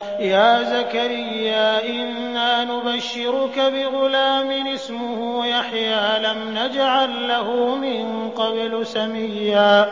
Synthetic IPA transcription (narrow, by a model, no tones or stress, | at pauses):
jaːzakaɾɪjːaːʔɪnːaːnʊbaʃːɪɾʊkabɪɣʊlaːmɪnɪsmʊhuːjaħjaːlamnad͡ʒʕalːahʊmɪn | qɑblʊsamɪjːaː